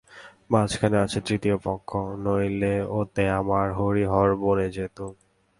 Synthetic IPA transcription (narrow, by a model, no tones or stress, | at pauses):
bãt͡ɕkʰaneat͡ɕʰet̪ɾit̪iopɔkʰːonojleot̪eamaɾɦoɾiɦɔɾboɾed͡ʑet̪u